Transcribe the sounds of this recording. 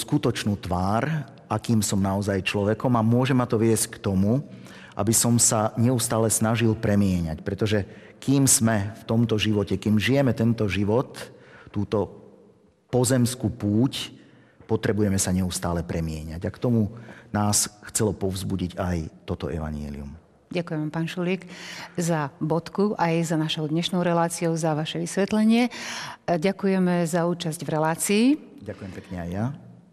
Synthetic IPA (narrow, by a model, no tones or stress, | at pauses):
skut̪ɔt͡ʃnuːt̪ʋaːɾ | ʔakiːmsɔmnaɔzajt͡ʃlɔʋɛkɔmamʊɔʒɛmat̪ɔʋɪɛsckt̪ɔmu | ʔa̰bisɔmsaɲɛust̪aːlɛsnaʒilpɾɛmɪɛɲacpɾɛt̪ɔʒɛ | kiːmz̥mɛft̪ɔmt̪ɔʒiʋɔcɛkiːmʒijɛmɛt̪ɛnt̪ɔʒiʋɔt̪ːuːt̪ɔ | pɔzɛmskupuːc | pɔt̪ɾɛbujɛmɛsaɲɛust̪aːlɛpɾʔɛmɪɛɲaɟakt̪ɔmunaːsxt͡sɛlɔpɔvzbuɟiɟajt̪ɔt̪ɔʔɛ̰ʋa̰ɲɪɛ̰lḭṵm | ɟakujɛmampaːnʃulikzabɔt̪kuʔajzanaʃɔʊd̪ɲɛʃnɔʊɾɛlaːt͡siɔʊzaʋaʃɛʋisʋɛt̪lɛɲɪɛ | ɟakujɛmɛzauːt͡ʃazɟvɾɛlaːt͡siː | ɟakujɛmpɛkɲɛajːa